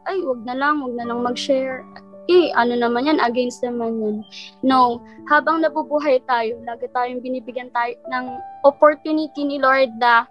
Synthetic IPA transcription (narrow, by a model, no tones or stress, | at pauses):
ʔajwɐɡ̚nɐlɐŋwɐɡ̚nɐlɐŋmɐɡʃɛɹʔɛʔɐno̞nɐmanjanʔɐɡɛnst̪nɐmanjonːowhaːbɐŋnɐbubuːɦɐjt̪aːjolaːɡɪt̪aːjoŋbɪniːbɪɡjɐnt̪aːjonɐŋʔopoɹt̪junɪt̪inɪloɹd̪̚la